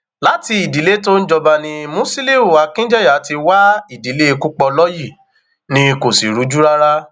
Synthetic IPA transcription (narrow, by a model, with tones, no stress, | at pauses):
la˨˦ti˧i˨di˨˦le˦to˦n̩˦d͡ʒɔ˧ba˧nĩ˧mũ˦si˦li˦u˨a˨˦kĩ˦d͡ʒɛ˦˨ja˨˦ti˧wa˦i˦˨di˨le˦˧ku˦k͡pɔ˧lɔ˦ji˦˨ | nĩ˧ko˨si˨ɾu˨˦d͡ʒu˦ɾa˦ɾa˦